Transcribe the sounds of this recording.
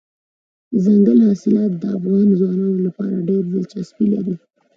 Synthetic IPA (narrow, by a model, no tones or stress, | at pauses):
zaŋɡəlɦɑsɪlɑt̪̚d̪əafɣɑnzwɑnɑnolapɑ̰ɾaɖeɾzəlt͡ʃasbilaɾi